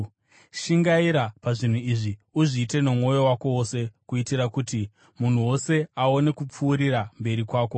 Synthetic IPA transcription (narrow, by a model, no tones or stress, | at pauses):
ʃiŋɡaiɾapaʐin̤uiʐiuʐiːte̞nemŋo̞jo̞wako̞wose̞kuitiɾakuti | mun̤uwo̞se̞ao̞ne̞kup͡fuːɾiɾambe̞ɾikwaːko̞